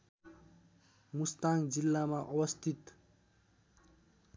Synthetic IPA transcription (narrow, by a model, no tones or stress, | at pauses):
must̪aŋd͡zilːamaʔʌwʌst̪ʰit̪